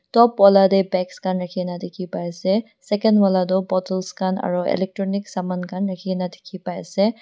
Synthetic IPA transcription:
tɔpwɔladɛbɛkskanɹakʰinadekʰipajsɛ | sɛkɛndwaladɔbɔtəlskana̰ɹuɛ̰lɛk̚tɹɔniksamankʰanɹakʰinade̥kʰipajsɛ

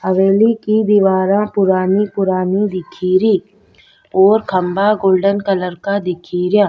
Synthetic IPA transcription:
ɐʋeːlikid̪iʋaːɾãpʊɾaːnipʊɾaːnid̪ɪkʰiːɾiː | ɔːɾkʰɐmbaɡoːlɖənkələɾkad̪ɪkʰiːɾjãː

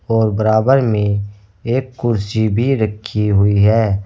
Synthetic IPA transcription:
ɔːɾbəɾaːbəɾmẽ | eːkːʊɾsibʱiɾəkʰːiɦʊiɦɛː

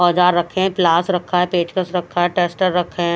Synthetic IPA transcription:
ɔːd͡ʒaːɾːɐkʰːẽplaːsɾɐkʰaɦɛpeːt͡ʃkəsɾɐkʰːaɦɛʈeːsʈəɾːɐkʰːẽ

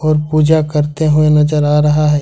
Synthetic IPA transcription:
ɔːɾpuːd͡ʒakɐɾt̪eɦʊenɐd͡ʒəɾaːɾɐɦaɦɛː

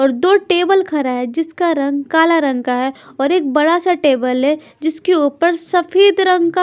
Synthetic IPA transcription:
ɔːɾd̪oːʈeːbəlkʰɐɾaɦɛd͡ʒɪskaɾɐ̃ŋɡkaːlaɾɐ̃ŋkaɦɛ | ɔːɾeːk̚bɐɽasaʈeːbəlɦɛ | d͡ʒɪskeuːpəɾsɐfʰeːd̪ɾɐ̃ŋɡka

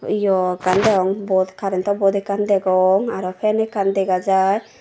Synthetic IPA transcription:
ijɔkand̪ɛɔŋbɔd̪kaɾɛnt̪ɔbɔd̪ɛkand̪ɛɡɔŋaɾɔpʰɛnɛkand̪ɛɡad͡ʒaj

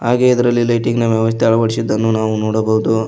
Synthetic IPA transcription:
ɦaːɡeid̪ɐɾɐlːilɐjʈiɡnɐʋjɐʋɐs̬t̪ʰeɛɐɭɐʋɐɽisid̪ːɐnːunaːʋunoːɽɐbɐɦud̪u

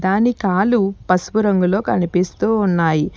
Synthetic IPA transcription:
d̪aːnikaːlupɐsʋuɾɐŋɡulo̞ːkɐnipist̪uːnːaːji

